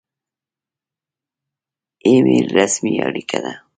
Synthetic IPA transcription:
emiɾasmiaɽikʰad̪a

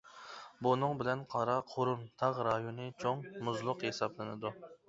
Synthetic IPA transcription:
bunɨŋbɪlɛnqʰɑɾɑqʰoɾumt̪ʰɑʁɾɑjonɨt͡ʃʰoŋmʊzlˠʊqhesɑblˠɨnɨd̪u

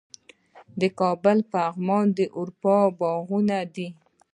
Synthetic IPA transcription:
d̪əkɑbəlpəaɣmɑnd̪əʔʊɾpɑbɑɣunad̪i

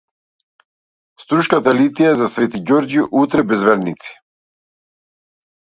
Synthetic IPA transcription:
st̪ɾuʃkat̪alit̪ijaɛzasvɛt̪iɟɔɾd͡ʒiʔut̪ɾɛbɛzvɛɾnit̪si̥

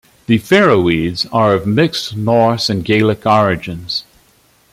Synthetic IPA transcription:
ðɨfɛɹoidzə˞ʌvmɪkstnɔɹsɨ̃nɡeɪlˠəkɔɹɨd͡ʒɨ̃nz̥

